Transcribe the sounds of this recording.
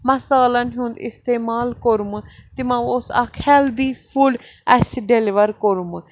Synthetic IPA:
məsaːlanɦũnd̪ɪst̪eːmaːlkoɾumut̪emãːosa̰kʰhɛːld̪iːpʰuɖɛsɖelɪʋəɾkoɾumu

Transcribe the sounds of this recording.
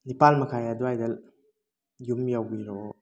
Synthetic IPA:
nipalmakʰajaduajdal | jumjawiɾo

